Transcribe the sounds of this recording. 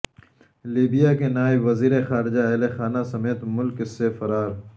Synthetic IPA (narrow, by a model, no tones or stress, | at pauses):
liːbijakenaːɪbʋɐziːɾexaːɾɪd͡ʒaelexaːnasɐmeːt̪mʊlksefɐɾaːɾ